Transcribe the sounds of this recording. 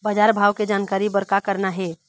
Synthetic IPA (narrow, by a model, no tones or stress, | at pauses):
bəd͡ʒaɾbʱaʋked͡ʒankaɾibəɾkakəɾnaɦe